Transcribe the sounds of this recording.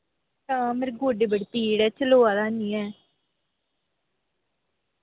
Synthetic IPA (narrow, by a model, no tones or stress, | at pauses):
t̪ãːmeɾɡoɖebəɽipiːɽɛːt͡ʃəloːad̪aːniːɛː